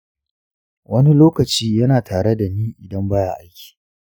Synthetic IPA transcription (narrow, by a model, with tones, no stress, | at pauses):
wʔɐ˦ni˦loː˦kɐ˨t͡ʃiː˦jɐ˦naː˨tʰaː˨ɽe˦da˨niː˦ʔɪ˨dɐ˦mbaː˦ja̰˨ʔa˦jkʲi̥ː˨